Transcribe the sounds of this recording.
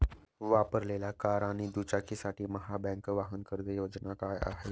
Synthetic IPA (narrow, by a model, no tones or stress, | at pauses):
ʋaːpəɾleːlakaːɾãːnid̪uːt͡ʃakisaːʈiməɦabɛ̃ːŋkʋaːɦənkəɾd̪ejoːd͡ʒnakaaɦe